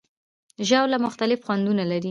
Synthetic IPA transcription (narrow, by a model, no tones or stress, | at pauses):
ʒawlamʊxt̪alɪfxwand̪unalaɾi